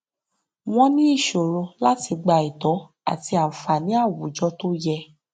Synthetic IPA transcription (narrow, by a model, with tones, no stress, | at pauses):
w̃ɔ̃˦nĩ˦i˦˨ʃo˨ɾo˧la˦ti˧ɡ͡ba˧i˨tɔ˨˦ | a̰˦˨ti˧a˨fa˨nĩ˨˦a˦˨wu˨˦d͡ʒɔ˧to˦jɛ˧